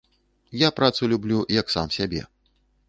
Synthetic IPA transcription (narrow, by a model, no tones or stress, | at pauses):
japɾat̪sulʲublʲujɐksa̰msʲabʲɛ̰